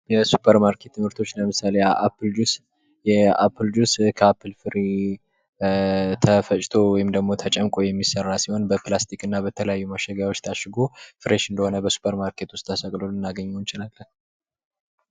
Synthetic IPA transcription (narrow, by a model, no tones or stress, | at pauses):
jɛsu̥pʰəɾmaɾkʰe̞t̪ʰːɨmhɨɾt̪ʰo̞t͡ʃːləmɨsalejaʔapʰːɨld͡ʒus | jɛa̰pʰːɨld͡ʒuskʰəapʰːɨlfɨɾi | t̪ʰəfət͡ʃʼt̪ʰo̞wɔjɪmd̪əɡmo̞t̪ʰət͡ʃʼɛmkʼojɛmːisərːasiho̞nbəplast̪ʰikɨnːabət̪ʰələjajːuməʃəɡjawo̞t͡ʃːt̪ʰaʃɨɡofɨɾeʃɨnd̪əho̞nəbəsu̥pʰəɾmaɾkʰe̞t̪wʊst̪ʰːəsəkʼlolɨnːaɡəɲːɛwnt͡ʃɪlalːən